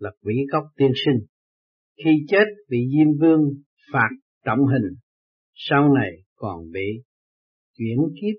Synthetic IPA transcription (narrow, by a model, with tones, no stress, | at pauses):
la˨˩k̚wḭ˧˥˦ka˦˥wk͡p̚t̪i˧ənsi˧ŋ̟ | xi˧t͡ɕe˦˥t̚ɓḭ˧˨zi˧mvɨ˧əŋ | faː˨˩t̚ | t͡ɕə̰˧˨wŋ͡mɦi˨˩ŋ̟ | sa˧wna˨˩j | kɔ˨˩nɓḭ˧˨ | t͡ɕwḭ˧˩ənki˦˥ə